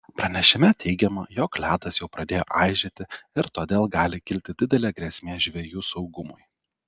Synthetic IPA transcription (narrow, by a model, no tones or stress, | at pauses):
pɾɐnʲɛʃʲɪmʲɛt̪ʰʲɛɪɡʲɛmɐjoːklʲæːd̪ɐsjɛʊpɾɐd̪ʲeːjo̰ːʔɑɪʒʲet̪ʲɪɪɾt̪oːd̪ʲeːlˠɡɑːlʲɪkʲɪlʲt̪ʲɪd̪ʲɪd̪ʲɛlʲeːɡɾʲɛsʲmʲeːʒʲʋʲeːjuːsɒʊɡʊmʊj